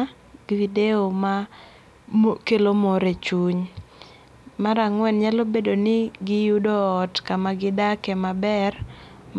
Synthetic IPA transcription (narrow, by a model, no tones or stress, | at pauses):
ɡivideoma | kelomoɾet͡ʃuɲ | maɾaŋwɛnɲalobedonɪɡɪjudɔɔtkamaɡɪdakɛmabɛr | m